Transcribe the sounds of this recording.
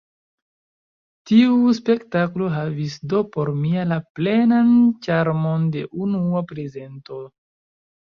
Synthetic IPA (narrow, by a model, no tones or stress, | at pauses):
tiuspe̞ktaklo̞ɦavisdo̞po̞ɾmialaple̞nant͡ʃaɾmo̞nde̞ʔunuapɾe̞ze̞nto̞